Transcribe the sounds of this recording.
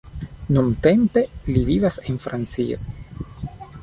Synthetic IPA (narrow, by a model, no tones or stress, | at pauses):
numt̪e̞mpe̞livivase̞nfɾant͡sio̰